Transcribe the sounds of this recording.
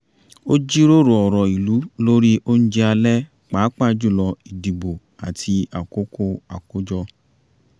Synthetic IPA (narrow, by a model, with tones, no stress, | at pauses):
o˦d͡ʒi˦ɾo˦ɾo˨ɔ˨ɾɔ˨i˨lu˨˦lo˦ɾi˦ʔo˦ñ̩˦d͡ʒɛ˧a˧lɛ˦ | k͡pa˨˦k͡pa˦˨d͡ʒu˦˨lɔ˧i˨di˨bo˨ | a˨tʰi˧a˨ko˦ko˦a̰˨ko˦d͡ʒɔ˧